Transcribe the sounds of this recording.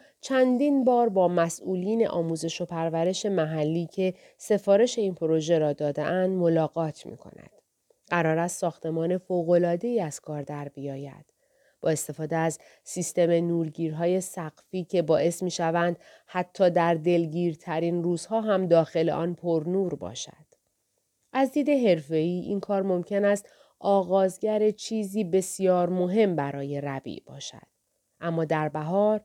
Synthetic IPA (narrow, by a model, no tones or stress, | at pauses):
t͡ʃʰænd̪iːnbɒːɾbɒːmæsʔuːliːne̞̰ʔɒːmuːze̞ʃo̞pʰæɾvæɾe̞ʃe̞mæɦælːiːcʰe̞ | se̞fɒːɾe̞ʃe̞iːnpʰoɾo̞ʒe̞ɾɒːd̪ɒːd̪ḛʔænd̪mo̞lɒːɡɒːt̪ʰmḭːkʰo̞̰næ̰d̪̥ | ɢæɾɒːɾæst̪sɒːxt̪e̞mɒːne̞foːɣo̞lɒːd̪e̞iːæz̥kʰɒːɾd̪æɾbijɒːjæ̰d̪̥ | b̥ɒːe̞st̪e̞fɒːd̪eæz | sist̪e̞me̞nuːɾɡiːɾɦɒːje̞sæɣ̥fiːcʰe̞bɒːʔe̞smiːʃævænd̪̥ | hæt̪ʰːɒːd̪æɾd̪e̞lɟiːɾt̪ʰæɾiːnruːz̥hɒːɦæmd̪ɒːxe̞le̞̰ʔɒːnpʰo̞ɾnuːɾbɒ̰ːʃæ̰d̪̥ | ʔæzd̪iːd̪e̞ɦe̞ɾfe̞iːʔḭnkʰɒːɾmo̞mcʰe̞næst̪ | ɒːɣɒːzɟæɾet͡ʃʰiːziːbe̞sijɒːɾmo̞ɦe̞mbæɾɒːje̞ɾæbḭːʔb̥ɒ̰ːʃæ̰d̪̥̚ | ʔæmːɒːd̪æɾbæɦɒːɾ